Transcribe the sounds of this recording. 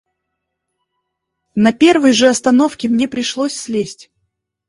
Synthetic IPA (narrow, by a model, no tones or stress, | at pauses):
nɐpʲe̞rvɨjʐɨɐst̪ɐno̞fkʲɪmnʲepɾʲɪʂlˠosʲsʲlʲesʲtʲ